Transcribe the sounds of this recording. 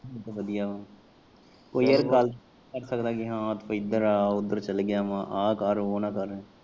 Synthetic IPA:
t̪oʋɐd̪ijaʋãː | koːiəɾkaːl | kɐɾsɐkd̪akiɦãːt̪foɪd̪əɾaːʊd̪əɾt͡ʃɐlɡɪjamãːʔaːkaːɾooːnakɐɾːɛ̃ː

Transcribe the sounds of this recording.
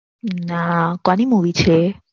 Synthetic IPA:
nakãnimuʋit͡ʃʰe

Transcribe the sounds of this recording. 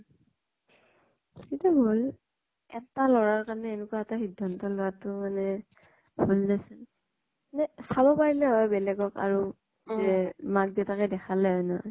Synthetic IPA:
kitubʱol | ɛtalɔɹaɹkaɹɔnɛːnʊkuwaɛtaxidʱːɔntɔlʊɹatʊmanɛ | bʱulzasɛn | nɛsabɔpaɹilɛɦɔjbɛlɛɡɔka̰ɹu | zɛmak̚diɛtakɛdɛxʰalɛɦɔjnɔɦɔ̰j

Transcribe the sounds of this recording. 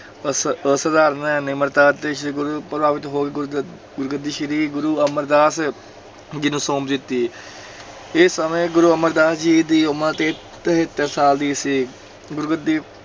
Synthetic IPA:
səsəd̪aːɾənɛːnɪməɾt̪aːt̪eːʃɡɾupɾəbaːʋɪt̪ɦoːɡeɡ | ɡʊɾɡəd̪iːʃəɾiːɡʊɾuːəməɾd̪aːs | ɡɪnusoːmd̪ɪt̪ːiː | ɪsəmẽːɡʊɾuːəməɾd̪aːsd͡ʒiːd̪iːomə̃ːt̪eː | ɦet̪ːəɾsaːld̪iːsiː | ɡʊɾɡəd̪iː

